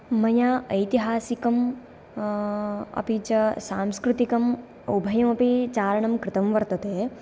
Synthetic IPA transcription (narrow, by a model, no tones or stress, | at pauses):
mɐjaːɐjt̪iɦaːsikɐm | ɐ̰pit͡ʃɐsaːmskɾut̪ikɐm | ubʱɐjɐmɐpit͡ʃaːɾɐɳɐmkɾɪt̪ɐmʋɐɾt̪ɐt̪eː